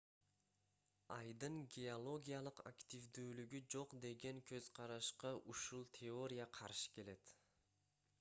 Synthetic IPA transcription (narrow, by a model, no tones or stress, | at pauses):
ɑjd̪ɯŋɡʲeolˠo̞ɡʲijalˠɯqa̰kt̪ʲivd̪yːlyɡyd͡ʒo̞qd̪e̞ɡe̞ŋkʰø̞z̥qʰɑɾɑʃqɑʔuʃulˠt̪ʲʰeo̞ɾʲɪjaqʰɑɾʃɯ̥ke̞le̞t̪